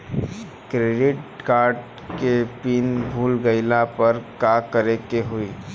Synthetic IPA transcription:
kɾeːɖɪʈkaːɾɖ | kepiːnbʱuːlɡəɪlapəɾkakəɾekeɦuiː

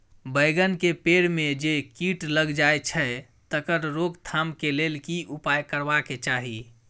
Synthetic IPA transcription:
bəjɡənkepeɽmed͡ʒekiʈləɡd͡ʒaet͡ʃʰə | t̪əkəɾɾoɡt̪ʰamkelelkiʔupajkəɾbaket͡ʃaɦi

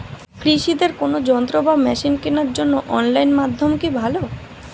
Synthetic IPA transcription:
kɾiʃid̪eɾkonod͡ʑɔnt̪ɾobamɛʃinkenaɾd͡ʑonːoʔɔnlajnmad̪ʱːomkibʱalo

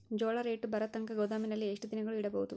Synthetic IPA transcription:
d͡ʒoːɭɐɾeːʈbɐɾɐt̪ːɐŋkɐɡod̪aːminɐlːieʂʈud̪inɐɡɐɭuiɽɐbɐɣut̪u

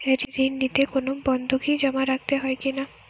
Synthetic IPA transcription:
eɾid̪inːit̪ekonobɔnd̪ʱukid͡ʑɔmaɾak̚t̪eɦɔekina

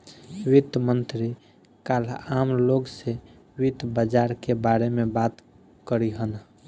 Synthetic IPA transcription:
wit̪mənt̪ɾi | kalamloɡse | wit̪bəd͡ʒaɾkebaɾemebat̪ | kəɾiɦən

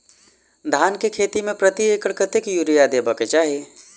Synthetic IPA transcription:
d̪ʱaːnkekʰeːt̪imẽpɾət̪iekəɽkət̪ekjuɾijad̪eːbəket͡ʃaːɦie

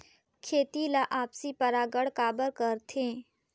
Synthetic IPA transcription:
kʰeːt̪ilaʔaːpsipəɾaːɡəɽkaːbəɾkəɾt̪ʰẽː

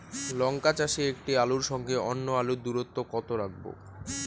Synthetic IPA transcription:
lɔŋkat͡ɕaʃiek̚ʈialuɾʃɔŋɡʱeɔnːoalud̪uɾot̪ːokɔt̪oɾak̚bo̰

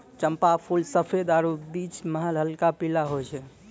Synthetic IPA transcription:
t͡ʃəmpapʰulsəpʰed̪aɾubit͡ʃməɦəlɦəlkapilaɦot͡ʃʰɛ

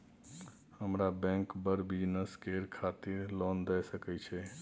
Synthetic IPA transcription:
həmɾabɛ̃ŋkbəɾbid͡ʒnəskeɾkʰat̪iɾlɔnd̪ɛsəkɛt͡ʃʰɛ

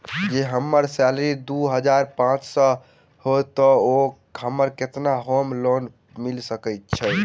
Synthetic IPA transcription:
d͡ʒeɦəmːəɾsɛlɾid̪uɦəd͡ʒaɾpãt͡ʃsə | hot̪ɔo | ɦəmːəɾket̪naɦomlon | milsəkɛt̪̚t͡ʃʰɛ

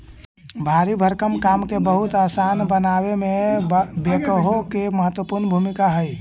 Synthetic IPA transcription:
bʱaɾibʱəɾkəmkamkebəɦut̪asanbənaʋemẽbekəɦokeməɦət̪wəpuɾnbʱumikaɦəj

